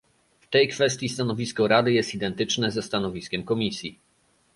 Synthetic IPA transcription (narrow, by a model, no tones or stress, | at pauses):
ft̪ɛjkfɛst̪ʲjist̪anɔvʲiskɔɾad̪ɘjɛst̪id̪ɛnt̪ɘt͡ʂnɛzɛst̪anɔvʲiskʲɛmkɔmʲisʲji